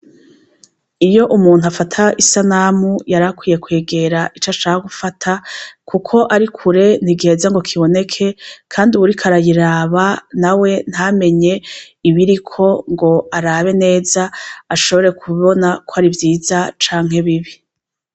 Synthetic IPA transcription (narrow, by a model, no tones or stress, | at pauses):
ijo̞ʔumuːn̥uafatʰaʔisanamujaɾakwiːje̞kwe̞ːɡe̞ɾaʔit͡ʃat͡ʃaːhaɡufatʰakʰukʰo̞ʔaɾikʰuɾe̞n̥iɡeːzaŋɡo̞kʰiβo̞ne̞kʰe̞kʰaːndiuβuɾikʰaɾajiɾaːβanawe̞n̥hame̞ɲe̞ | iβiɾikʰo̞ŋɡo̞aɾaβe̞ne̞ːzaːʃo̞βo̞ɾe̞kʰuβo̞nakʰoaɾivjiːzat͡ʃaːŋɦe̞βiβi